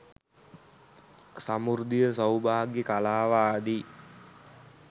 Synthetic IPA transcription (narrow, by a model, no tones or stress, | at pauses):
samurd̪ijəs̬awbaːɡekalaːʋaːd̪i